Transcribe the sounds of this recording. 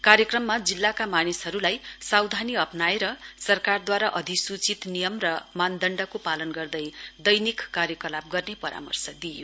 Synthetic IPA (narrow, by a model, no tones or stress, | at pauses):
karjʌkrʌmːad͡zilːakamanisɦʌɾulajsawd̪ʱaniʌpnaeɾʌsʌrkard̪waɾaʔʌd̪ʱisut͡sit̪nijʌmrʌmand̪ʌɳɖʌkopalʌnɡʌrd̪ʌjd̪ʌjnikːarjʌkʌlab̚ɡʌrnepʌɾʔa̰mʌ̰rsʌd̪ijo̰